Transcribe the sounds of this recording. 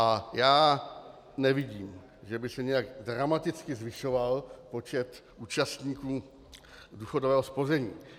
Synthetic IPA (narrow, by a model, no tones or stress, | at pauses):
ajaː | nɛvɪɟiːm | ʒɛbɪsɛɲɛjaɡdɾamat̪ɪt͡skɪzvɪʃo̞valpo̞t͡ʃɛt̪ʔuːt͡ʃast̪ɲiːkuː | duːxodovɛːɦo̞spo̞zɛɲiː